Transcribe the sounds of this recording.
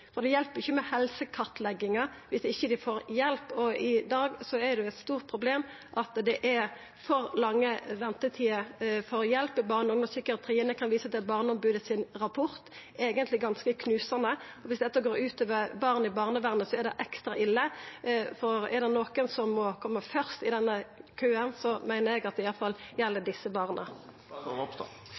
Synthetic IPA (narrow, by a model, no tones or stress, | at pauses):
fɔʁd̪ɛjɛlpəɾɪçːəmɛhɛlsəkʰɑʁt̪lɛɡːɪŋɑʋɪsɪçːəd̪ɪfoːɾjɛlpɔɪd̪ɑːɡsɔɛɾd̪ɛʊɛt̪st̪uːʁt̪̚pʰʁʊbleːm | ʔɑt̪d̪ɛʔɛɾ | fɔʁlɑŋːəʋɛnt̪ət̪ʰiːɑfɔʁjɛlpəbɑːʁnəɔŋɔsʏkːəɾət̪ʰɾiːnəkʰɑnʋiːsɑt̪d̪ɛbɑːʁnəɔmbʉːd̪əsɪnɾɑpʰɔʁt̪ | eːɡənt̪lɪɡɑnskəkʰnʉːsɑnəɔʋɪsd̪ɛt̪ːɑɡoːɾʉːt̪øːʋəʁbɑːʁnəɪbɑːʁnəʋæʁnəsɔɛd̪ɛʔɛkst̪ɾɑʔɪlːəfɔʁɛ̰ʁd̪ɛnoːkənsɔmːɔkʰɔmːəfœʁst̪ɪd̪ɛnːəkʰøːənsɔmæɪnəɾɛɡɑt̪̚d̪ɛɪjɑlfɑljɛlːəd̪ɪsːəbɑːʁnʔə̰